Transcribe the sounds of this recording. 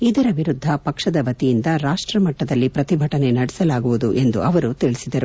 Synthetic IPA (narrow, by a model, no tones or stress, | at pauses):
id̪ɐɾɐʋiɾud̪ʱːɐpɐkʂɐd̪ɐʋɐt̪ijind̪ɐɾaːʂʈɾɐmɐʈːɐd̪ɐlːipɾɐt̪ibʱɐʈɐne̞nɐɽɛsɐlaːɡuʋud̪uʔe̞nd̪ṵʔɐʋɐɾut̪iɭisid̪ɐɾu